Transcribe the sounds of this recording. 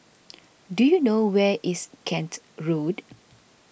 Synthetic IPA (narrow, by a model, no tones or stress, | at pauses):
dujunowɛʔiskʰɛ̃nt | ɹod